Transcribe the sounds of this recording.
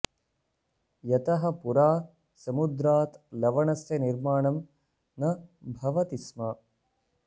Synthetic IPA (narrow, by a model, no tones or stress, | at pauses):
jɐt̪ɐɦɐ̆puɾaː | sɐmud̪ɾaːt̪lɐʋɐɳɐst̪ɐniɾmaːɳɐm | nɐbʱɐʋɐt̪ismɐ